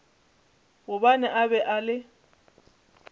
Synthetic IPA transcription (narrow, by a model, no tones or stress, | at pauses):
ɣʊbanɛʔaβɛʔalɪ